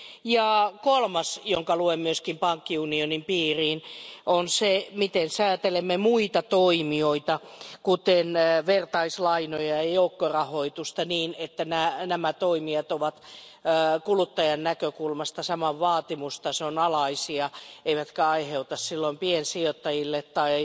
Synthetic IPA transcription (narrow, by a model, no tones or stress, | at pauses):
jɑkolmɑsjoŋkɑluemmyøskimpɑŋkːiunionimpiːriːnonsemit̪ensæːt̪elemːemuit̪ɑt̪oimioit̪ɑkut̪enʋert̪ɑislɑinojɑjɑjoukːorɑhoit̪ust̪ɑniːnet̪ːænænæmæt̪oimiɑt̪oʋɑt̪ː | kulut̪ːɑjɑnnækøkulmɑst̪ɑsɑmɑʋʋɑːt̪imust̪ɑseonɑlɑisiɑeiʋæt̪kæɑiheut̪ɑssilːoimpiensiot̪ːɑjilːet̪t̪ɑi